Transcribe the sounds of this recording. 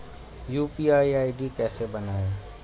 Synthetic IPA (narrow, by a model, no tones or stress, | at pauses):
juːpiaːiaːɪɖikɛːsebɐnaːeː